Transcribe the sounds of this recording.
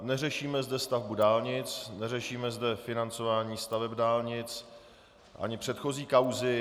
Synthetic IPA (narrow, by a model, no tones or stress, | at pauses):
nɛrɛʃiːmɛzdɛst̪avbudaːlɲɪt͡snɛrɛʃiːmɛzdɛfɪnant͡so̞vaːɲiːst̪avɛbdaːlɲɪt͡s | ʔa̰ɲɪpr̝̥ɛt̪xo̞ziːkawzɪ